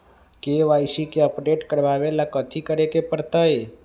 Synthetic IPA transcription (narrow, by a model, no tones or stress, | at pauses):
keʋaɪsikeəpɖeʈkəɾʋaʋelakət̪ʰikəɾekepəɾt̪əe